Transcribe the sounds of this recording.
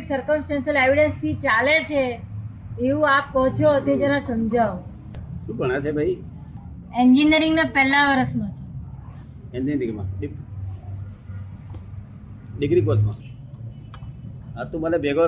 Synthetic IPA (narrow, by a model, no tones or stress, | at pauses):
ksəɾkəmsʈansəleʋiɽənst̪ʰit͡ʃalet͡ʃʰe | eʋũap̚ːɔɦt͡ʃʰot̪ʰed͡ʒenãsəmd͡ʒa | ʃũːɡʱəɳ̃et͡ʃʰebʱai | end͡ʒinəɾĩŋɡnapɛɦlaʋəɾəsmõt͡ʃʰe | ẽnd̪ind̪iɡmãɗi | ɖiɡɾikosmãː | at̪ũmalebʱeɡə